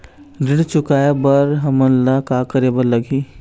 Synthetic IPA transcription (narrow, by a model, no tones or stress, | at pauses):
ɾɪɽt͡ʃʊkaːjabəɾɦɐmənlakakəɾebəɾləɡi